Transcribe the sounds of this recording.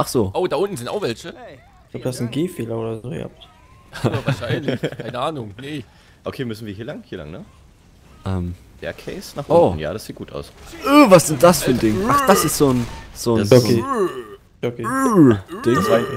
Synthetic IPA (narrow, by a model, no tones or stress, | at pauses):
ʔaχz̥oːʔoːdaːʔʊntn̩zɪnta̰ʊxvɛlçə | laʊb̚d̥uhastn̩ɡeːfeːlɐʔoːdɐzoːj̰ha̰p | vaɐʃaɪnlɪçʰaɪnəʔaːnʊŋnə | ʔokʰeːmʏsn̩viːɐɦiːɐlaŋhiːɐla̰ŋnə | ʔɛm | v̥ɛ̰ɐkʰɛɪsnaːχʔoːn̩ja̰ːdasz̥iːt̚ɡ̥uːta̰ʊsʔəvasz̥ɪnt̚d̥asfyːɐndɪŋʔaχd̥asɪstz̥oːnz̥oːno | oki | d̥ɪŋ